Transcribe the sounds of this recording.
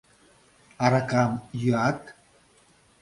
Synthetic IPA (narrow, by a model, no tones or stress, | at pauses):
aɾakamjyat̪